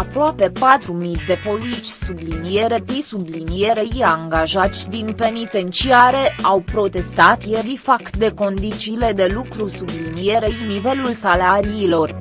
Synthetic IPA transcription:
apɾoape̞pat̪ɾumid̪e̞po̞lit͡ʃʲsublinije̞ɾe̞t̪isublinije̞ɾeiaŋɡaʒat̪sʲd̪inpe̞nit̪e̞nt͡ʃiaɾe̞ʔawpɾo̞t̪e̞st̪at̪jeɾifakt̪d̪e̞ko̞nd̪it͡ʃiːle̞d̪e̞lukɾusublinije̞ɾejnive̞lulsalaɾiːlo̞r

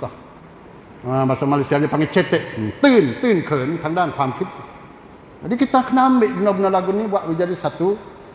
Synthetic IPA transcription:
t̪ɔh | əbasamalasiadipaŋɛt͡ʃɛt̪ɛʔt̪ɨnt̪ɨnkʰənt̪aŋdankʰamkʰit̪̚ | d͡ʒadikit̪akənameʔbənəbənəlaɡunibuaʔwid͡ʒadisat̪u

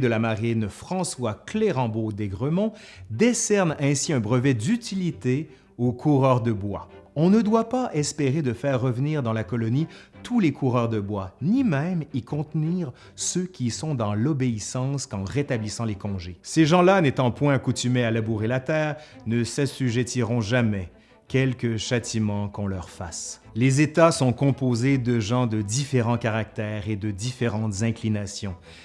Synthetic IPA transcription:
d̪əlamaʁinfχɑ̃swakleʁɑ̃bod̪eɡʁəmɔ̃ | d̪esɛʁnɛ̃siɛ̃bʁəvɛd̪yt̪ilit̪e | okʰuʁœʁd̪əbwa̰ɔ̃nəd̪wapaʔɛspeʁed̪əfɛːʁːəvniːʁd̪ɑ̃lakɔlɔnit̪ʰulekʰuʁœʁd̪əbwanimɛ̃mikɔ̃t̪niːʁ | søkʲisɔ̃d̪ɑ̃lɔbeisɑ̃skɑ̃ʁet̪ablisɑ̃lekɔ̃ʒeseʒɑ̃lanet̪ɑ̃pwɛ̃akut̪ymealabuʁelat̪ɛːʁnəsasyʒet̪iʁɔ̃ʒamɛ | kʲɛlkʲəʃat̪imɑ̃kɔ̃lœʁfas | lezet̪asɔ̃kɔ̃pozed̪əʒɑ̃d̪əd̪ifeʁɑ̃kaʁak̚t̪ɛːʁed̪əd̪ifeʁɑ̃t̪zɛ̃klinasjɔ̃

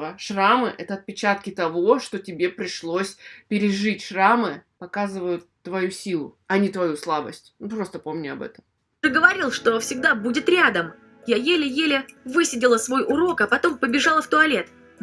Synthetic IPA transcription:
əʂramɨʔɛt̪əɐt̪̚pʲɪt͡ɕat̪kʲɪt̪ɐvo̞ʂt̪o̞tʲɪbʲe̞pɾʲɪʂlˠo̞sʲpʲɪɾʲɪʐɨtʲʂramɨpɐkazɨvəjʊt̪ːvɐjusʲilˠʊ̰ | ɐnʲɪt̪vɐjuslˠabəsʲtʲnupɾo̞st̪əpo̞mnʲɪɐbɛ̰t̪əm | t̪ɨɡəvɐɾʲilˠʂt̪o̞fʲsʲɪɡ̚d̪abudʲɪt̪ɾʲad̪əm | jajelʲɪjelʲɪvɨsʲɪdʲɪlˠəsvo̞jʔʊɾo̞kɐpɐt̪o̞mpəbʲɪʐalˠəft̪ʊɐlʲe̞t̪

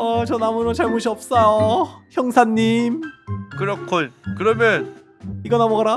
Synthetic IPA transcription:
ʌt͡ɕʌnamuɾot͡ɕaɭmoɕʰiʌp̚s͈ʌjoçjʌŋsʰaɲːimkɯɾʌkʰonkɯɾʌmjʌn | iɡʌnamoɡaɾa

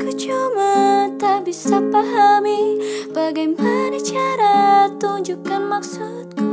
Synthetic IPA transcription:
kət͡ʃumat̪abisapaɦamibaɡajpəɾit͡ʃaɾat̪uɲd͡ʒukanmak̚sut̪̚k

